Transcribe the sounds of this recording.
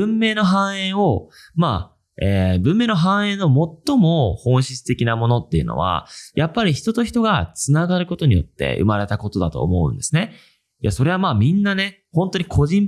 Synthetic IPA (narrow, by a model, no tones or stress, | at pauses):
ɯ̟̃mːe̞ːno̞ɦãɰ̃ẽ̞ɰ̃o̞maː | eːbɯ̟̃mːe̞ːno̞ɦãɰ̃ẽ̞nːo̞mo̞t̪ːo̞mo̞hõ̞ɰ̃ɕit͡sɨ̥t̪e̞kʲinamo̞no̞t̪ːe̞iɯ̟no̞̰βa̰jʔapːaɾʲiçi̥t̪o̞t̪o̞çi̥t̪o̞ɡat͡sɨnaɡaɾɯ̟ko̞t̪o̞ɲ̟ijo̞̰t̪ːe̞̰ɯ̟̰maɾe̞t̪ako̞t̪o̞d̪at̪o̞̰ːmo̞ɯ̟̰̃nd̪e̞sɨne̞ | jaso̞ɾe̞βamaːmʲĩnːane̞ | hõ̞nt̪oɲ̟ikʰo̞ʑĩm